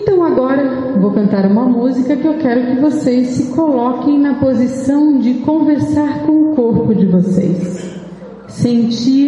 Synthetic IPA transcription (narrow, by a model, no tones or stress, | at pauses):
ẽnt̪ɐ̃w̃aɡɔɾɐ | vowkɐ̃nt̪aɾũmɐmuzikɐkɪewkɛɾʊkɪvosejsɪkolɔkẽj̃nɐpozisɐ̃w̃d͡ʒɪkõveɾsaɾkõʊkoɾpʊd͡ʒɪvosḛjsː | ẽnt͡ʃi